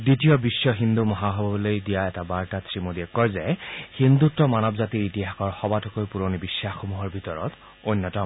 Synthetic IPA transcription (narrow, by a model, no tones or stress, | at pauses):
ditijɔbisːɔɦind̪umɔɦaɦɔbɔblojdijaɛtabaɹtatʰɹimudiɛkːɔɹzɛhind̪utːɔmanɔbzatiɹitiɦakɔɹxɔbatɔkojpuɹonibisːaxomuɦɔɹbʱitɔɹɔ̰t | ojnːɔtɔm